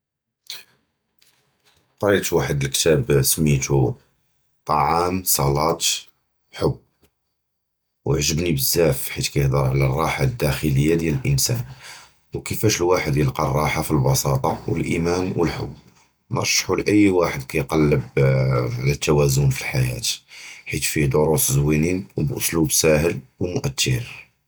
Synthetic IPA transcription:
qɾˤit̪waħəd̪əlkt̪æbsəmːit̪u | t̪ˤɑʕɑmsˤɑlɑt̪ | ħʊbː | wəʕʒəbnibəzːæfħit̪kæjəhd̪əɾˤʕlærˤːɑħad̪ːæxələjːad̪jæləlʔənsæ̰n | wkəfæʃəlwaħəd̪jəlqɑrˤːɑħafilbɑsɑt̪ˤɑwəlʔimænwəlħʊ̰bː | nəɾˤʃħulʔəjːwaħəd̪kæjqɑlːəbʕlæt̪ːæwæzʊnfilħajæ̰t̪ħit̪fid̪ʊɾuszwininwbʔʊslubsæhəlwmʊʔæt̪ʰːəɾ

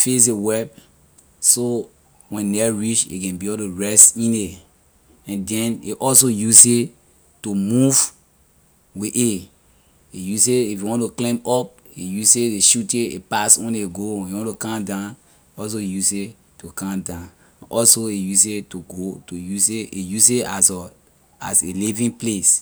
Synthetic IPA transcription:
fes̬ewɛp̚ | so | wɛ̃nːɛɹiʃḛkɛ̃nbiɔtuɹɛstĩne | ɛ̃ndɛ̃nḛʔɔlsojuse | tumuv | wiʔe | ejuseifjuwɔ̃ntuklẽmɔp̚ | ejuseeʃuteepaswɛ̃neɡoiwɔ̃ntukãmdãn | ɔs̬ojuse | tukãmdãn | ʔɔsoejus̬etuɡotojuseʔejuseasɔ | a̰selivĩŋples

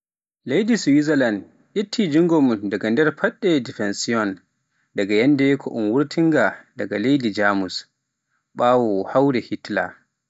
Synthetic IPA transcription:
lejdiswizalan | ʔitʰːid͡ʒiŋɡɔmundaɡandɛɾpʰaɗːɛdifɛnsiɔn | daɡajandɛkʰɔʔunwuɾtʰiŋɡadaɡalejdid͡ʒaːmus | ɓaːwɔhawɾɛhitla̰

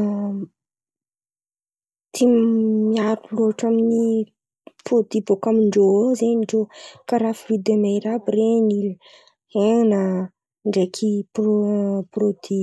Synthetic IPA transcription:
t̪ʰimiaɾuloaʈ͡ʂamini | pod̪ibokamiɳɖ͡ʐozenɳɖ͡ʐokaɾafirid̪emejɾabɾenil | heŋnə | ɳɖ͡ʐekʰip | prod̪i

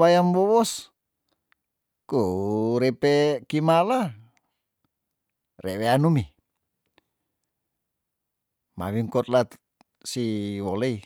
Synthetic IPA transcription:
ajambɔwɔs | kuɾɛpekimala | rɛweanumi | ma̰βiŋkɔt̪̚lat̪ | siwɔlei

